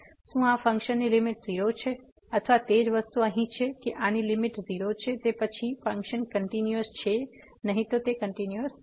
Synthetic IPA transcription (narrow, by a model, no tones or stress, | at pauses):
sũafə̃ŋkʃənːilimɪʈziɾot͡ʃʰe | ət̪ʰʋat̪ed͡ʒʋəst̪uəɦĩt͡ʃʰekeʔanilimɪʈziɾot͡ʃʰet̪epət͡ʃʰifə̃ŋkʃənkəɳʈinjuəst͡ʃʰe | nəɦĩt̪ot̪ekəɳʈinjuəs